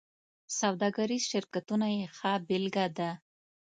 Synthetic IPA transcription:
sawd̪ɑɡaɾizʃɪɾkat̪unajexabɪlɡad̪a

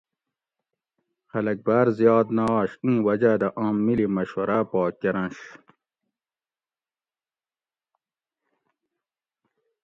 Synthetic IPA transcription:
xɐlɐk̚baɾzjɑːd̪nɑɕĩːwɐd͡ʑad̪ɐʔɑ̃ːmːilimɐɕwɐɾapɑːkːɐɾɐ̃ɕ

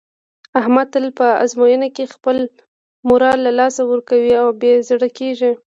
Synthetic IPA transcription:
ahmad̪t̪əlpəa̰zmojənakexpəl | mʊɾɑlːalɑsawəɾkawiawbjezɽəkeʒi

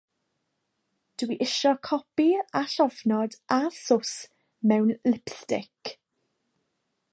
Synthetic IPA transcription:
d̥wiʔɪʃɔkʰɔpiaɬɔvnɔdasʊs | mɛwnlɪpθtɪk

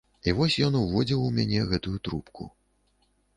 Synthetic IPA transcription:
ivɔsʲjɔnuvɔd͡zʲiwumʲanʲɛɣɛt̪ujut̪ɾupkʰṵ

